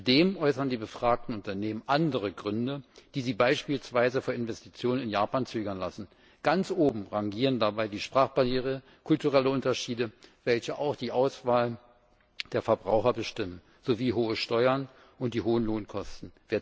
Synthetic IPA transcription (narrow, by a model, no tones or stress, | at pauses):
t͡sdeːmʔɔʏsɐndiːbəfʁ̥aːk̚tn̩ʊntɐneːmənʔandəʁəɡʁʏndəd̥iːziːbaɪʃpiːlsv̥aɪzəfoːɐɪnvɛsti̥t͡sjoːnənɪnjaːpaːnt͡søːɡɐnlasn̩ | ɡ̥ant͡sʔoːbm̩ʁaŋɡiːʁəndabaɪdiːʃpʁ̥aːχb̥ajeːʁə | kʰʊltuʁɛləʔʊntɐʃiːdəvɛlçəʔaʊxd̥iːʔaʊsv̥aːl | d̥eːɐfɛɐbʁaʊxɐbəʃtɪmən | z̥oviːɦoːəʃtɔʏɐn | ʔʊnt̚d̥iːɦoːənloːnkʰɔstn̩veːɐ